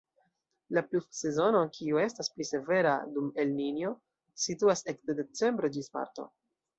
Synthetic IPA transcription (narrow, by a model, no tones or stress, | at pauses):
laplupse̞zo̞no̞kʰiue̞stasplise̞ve̞ɾadume̞lninjo̞ | situasekdede̞t͡se̞mbɾe̞d͡ʒisma̰ɾto̞̰